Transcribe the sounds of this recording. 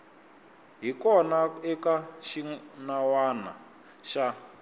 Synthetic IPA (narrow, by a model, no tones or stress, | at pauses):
ɦikɔnaɛkaʃinawana̰ | ʃa